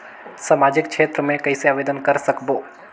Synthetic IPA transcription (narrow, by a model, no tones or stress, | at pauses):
samad͡ʒɪkt͡ʃʰet̪ɾəmẽkəiseaʋed̪ənkəɾsəkbo